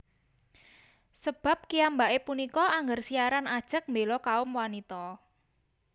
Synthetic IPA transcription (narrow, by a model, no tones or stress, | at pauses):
səb̥a̤p̚kiambaʔepunikɔaŋɡərsiaɾanad̥ʒ̥ə̤k̚mbelɔkaʊmwanit̪ɔ